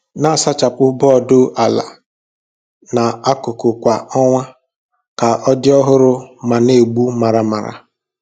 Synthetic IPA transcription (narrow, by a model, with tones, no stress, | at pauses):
na˦˨sa˦t͡ʃa˨pʊ˦bɔ˦˨dʊ˦ʔa˨la̰˨ | na˨a˦kʊ˨kʊ˨kʷa˨ɔ˦ŋʷa˦ | ka˨ɔ˦dɪ˦ɔ˦ɦʊ˦ɾʊ˦ma˨ne˨ɡ͡bu˦ma˨ɾa˨ma˨ɾa̰˨